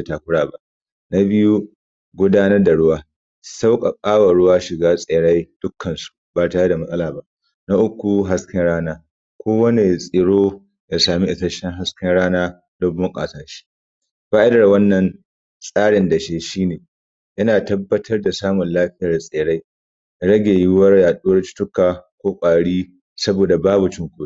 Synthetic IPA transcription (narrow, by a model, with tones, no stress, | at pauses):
e˨taː˨kʷʊ˦ɽaː˨ba˦ʔ | na˦bɪ˦ju˦ | ɡʷʊ˦daː˦nɐ˦rda˨ɽʊ˦waː˦ | sa˦wkʼa˨kʼaː˦wɐ˨ɽʊ˦waː˦ʃɪ˨ɡaː˦sʼeː˨ɽa˦jd̥ʊ˦kʰːɐ˨nsu̥˨baː˨taː˦ja˦da˨mɐ˦sʼɐ˦laː˨ba˦ʔ | na˦ʔʊ˦kʷːu˨ɦa˦skʰʲɐ˦nɽaː˦naː˦ | kʷoː˦wɐ˦ne˨sʼɪ˨ɽoː˦ | ja˨saː˨mi˦ʔɪ˨tɐ˦ʃɛ˦ŋɦa˦skʲɐ˦nɽaː˦naː˦ | lo˦bːʊ˦ŋkʼa̰ː˨saː˦ʃi̥˦ | ɸaː˦ʔɪ˦dɐ˨rwɐ˦nːɐ˨n | sʼaː˦ɽɪ˨nda˨ʃeː˦ʃiː˦neː˨ | ʔɪ˦naː˨tɐ˦bːɐ˦tʰɐ˦rda˨saː˦mʊ˨nlaː˦ɸɪ˦jɐ˨rsʼeː˨ɽa˦j | ɽɐ˦ɡʲeː˨jɪ˦wɐ˦rjaː˨ɗʊ˦wɐ˦rt͡ʃɪ̥˦tʊ˦kaː˨kʷoː˦kʷʼaː˨ɽiː˦ | sɐ˦boː˨da˨baː˦bu˨t͡ʃɪ˦ŋkʷuː˦˨˦